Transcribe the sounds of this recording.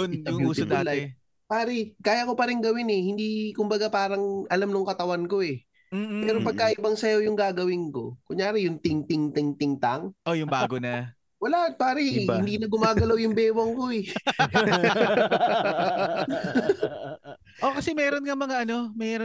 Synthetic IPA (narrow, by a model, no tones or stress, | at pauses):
onjʊŋuːsod̪aːlaɛ | paːɾɛkaːjɐko̞pɐɾɪŋɡɐwɪnɛhɪnd̪ikʊmbɐɡapaːɾɐŋʔɐlamnʊŋkɐt̪ɐwanko̞ʔɛ | m̩ːpɛːɾopɐɡ̚kaʔɪbɐŋsɐjojʊŋɡaːɡɐwɪnko̞̰kʊŋjaːɾɪjʊŋt̪ɪŋt̪ɪŋt̪ɪŋt̪ɪŋt̪aŋʔojʊŋbaːɡonɐ | wɐlaʔpaːɾɛhɪnd̪iːnɐɡʊmaːɡɐlawjʊŋbɛːwɐŋko̞ɛ | ʔokɐsɛmɛːɾonŋɐmɐŋaʔɐno̞mɛːɾo